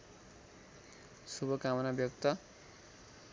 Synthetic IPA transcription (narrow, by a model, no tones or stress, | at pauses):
subʌkamʌnabjʌkt̪ʌ